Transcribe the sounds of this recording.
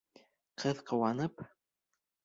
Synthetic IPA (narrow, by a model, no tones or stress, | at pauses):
qʰɤðqɤ̆wɑnɤp